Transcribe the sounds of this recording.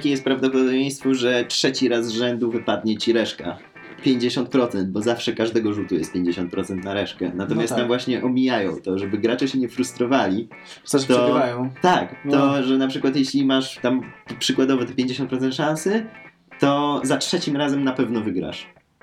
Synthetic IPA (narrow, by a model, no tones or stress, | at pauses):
kʲejɛst̪pɾavd̪ɔpɔd̪ɔbʲjẽj̃st̪fɔʐɛtʂɛt͡ɕiɾazvʐɛnd̪uvɘpad̪̚ɲɛt͡ɕiɾɛʂka̰ | pʲjeɲd͡ʑeɕɔnt̪pɾɔt̪sɛnt̪̚bɔzafʂɛkaʐd̪ɛɡɔʐut̪ujɛ̰st̪̚pʲeɲd͡ʑeɕɔ̃nt̪̚pɾɔt̪sɛnt̪naɾɛʂkɛ̰nat̪ɔmjasamvwaɕɲɛʔɔmʲijajɔ̰̃w̃t̪ɔʐɛbɘɡɾat͡ʂɛɕɛɲɛfɾust̪ɾɔvalʲi | t̪ɔɡɾajɔ̃t̪ak̪ɔʐɛnapʂɘkwat̪jeɕlʲimaʂt̪ampʂɘkwad̪ɔvɛt̪ɛpʲjẽɲd͡ʑeɕ̬ɔ̃nt̪pɾɔt̪sɛnt̪ʂãnsɨ | t̪ɔzatʂɛt͡ɕimɾazɛmnapɛvnɔvɘɡɾa̰ʂ